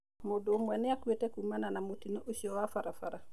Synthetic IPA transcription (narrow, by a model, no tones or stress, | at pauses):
modomueneakuetekumananamutinoʔusiowafaɾafaɾa